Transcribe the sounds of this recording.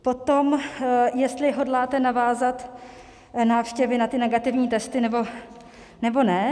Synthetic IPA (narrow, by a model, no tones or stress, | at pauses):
po̞t̪o̞mjɛst̪lɪɦo̞dlaːt̪ɛnavaːzat̪ | naːfʃcɛvɪnat̪ɪnɛɡat̪ɪvɲiːt̪ɛst̪ɪnɛbo̞ | nɛbo̞nɛ